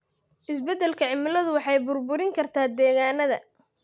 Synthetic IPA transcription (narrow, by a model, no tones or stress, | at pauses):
ʔɪsbɛd̪ɛlkʰɐʕɪmɪlɐðʊwɑħɑjbʊrbʊɾɪŋkʰɐrt̪ʰaːd̪ɛːɣaːnɐðɐ̰